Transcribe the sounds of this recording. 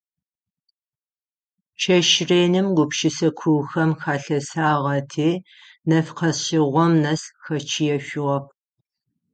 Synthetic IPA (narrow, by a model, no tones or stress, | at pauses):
t͡ʃʰɐʃreːnɨmɡʷʊpʃɪsɐkʷʰuwxɐmxaːɬɐsaːʁɐtʰeː | nɐfqɐɕɪʁʷɔmnɐsxɐt͡ʃʰijɛɕʷɪʁɐp̚